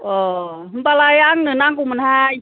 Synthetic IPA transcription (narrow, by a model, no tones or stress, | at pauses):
ʔɔː | npalajaŋnɯnaŋkumanha